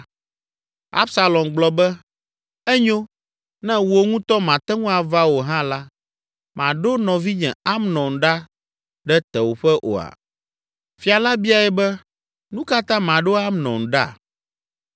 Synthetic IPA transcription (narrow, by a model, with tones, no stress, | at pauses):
a̰˦bsa˨lɔ˨mɡ͡blɔ˦bɛ˦ | ɛ˦ɲo˦ | nɛ̃˦wo˨ŋũ˦t̪ɔ˦mã˨t̪ɛ˦ŋũ˦a˨va˦wo˨ɦã˦la˦ | mã˨ɖo˦nɔ̃˨vi˦ɲɛ̃˨a˦mnɔ̃˨ŋ̩˨ɖa˦ | ɖɛ˦t̪ɛ˨wo˨ɸɛ˦ʔo̰˨a̰˨ | fi˨a˨la˦bi˦a˨ɛ˨bɛ˦ | nũ˦ka˦t̪ã˦mã˨ɖo˦a˦mnɔ̰̃˨ŋ˨ɖa˦˨